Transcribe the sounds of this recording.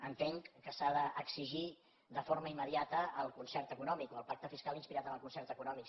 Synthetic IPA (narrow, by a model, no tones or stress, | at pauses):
ənt̪eŋkəsaðəʔːksiʒi | d̪əfoɾməimːəðiat̪əːlˠkunsɛrt̪əkunɔmikoəlˠpak̚t̪əfiskalinspiɾat̪əməlˠkunsɛɾt̪əkunɔmik